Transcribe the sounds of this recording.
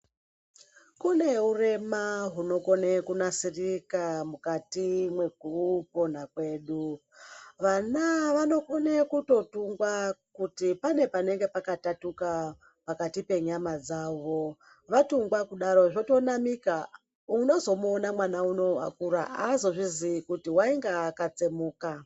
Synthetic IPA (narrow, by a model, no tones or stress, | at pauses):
kune̞ure̞maɦuno̞ko̞nekunasirikamukatimwe̞ɡ̚ʱupo̞n̤akwe̞ːɗu | ʋanaʋano̞ko̞nekuto̞tuŋɡwakutipane̞pane̞ŋɡe̞pakatatuka | pakatipe̞ɲamad͡zaːʋo̞ | ʋatuŋɡwakuɗaɾo̞ʐo̞to̞namika | uno̞zo̞muonamwanauno̞ʋa̰kuɾaʔazo̞ʐizikutiwaiŋɡaːkat͡semuːka